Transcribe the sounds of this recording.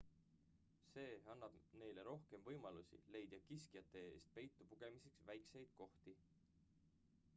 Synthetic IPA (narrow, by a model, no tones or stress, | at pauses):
se̞ːɑnːɑb̥ne̞jle̞ɾo̞hke̞mvɤjmɑlusḭle̞jd̪̥jɑkiskijɑt̪ːˑe̞ḛːst̪̚pe̞jt̪ˑːupuɡ̥e̞mise̞ksvæjkse̞jd̪̥̚ko̞ht̪i